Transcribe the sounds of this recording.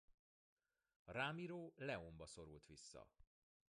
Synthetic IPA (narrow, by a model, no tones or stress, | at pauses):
raːmiɾoːlɛombɒso̞ɾult̪ʋisːɒ̰